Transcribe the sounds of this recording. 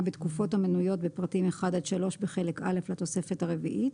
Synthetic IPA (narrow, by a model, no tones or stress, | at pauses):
bet̪kufo̞thamenujo̞tbepʁatimeχadalʃalo̞ʃbeχe̞le̞ka̰le̞flat̪o̞se̞fetaʁe̞vḭʔit